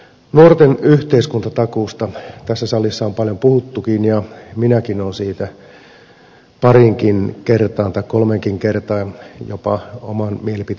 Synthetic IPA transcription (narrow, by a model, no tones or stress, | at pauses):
nuort̪enyht̪eiskunt̪ɑt̪ɑkuːst̪ɑt̪æsːæsɑlːisːɑompɑljompuhut̪ːukinjɑminækinonsiːt̪æ | pɑriŋkinkert̪ɑːnt̪ɑikkolmeŋkiŋkert̪ɑːjopɑo̰mɑnmielipit̪